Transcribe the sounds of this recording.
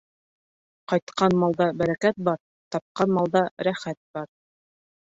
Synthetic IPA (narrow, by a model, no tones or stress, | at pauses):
qɑjt̪qʰɑnmɑlˠd̪ɑbæɾækæt̪̚bɑɾ | t̪ɑp̚qɑnmɑlˠd̪ɑɾæχæt̪̚b̥ɑɾ